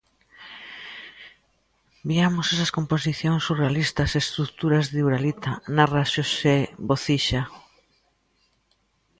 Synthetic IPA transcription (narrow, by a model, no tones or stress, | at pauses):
biamosesɐskomposiθjoŋsurealist̪ɐsest̪ɾukt̪uɾazðiuɾalit̪anaraʃoseβoθiʃa